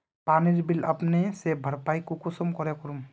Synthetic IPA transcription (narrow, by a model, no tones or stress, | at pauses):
paniɾbiləpnesebʱəɾpaːikukʊsɔmkɔɾekɔɾum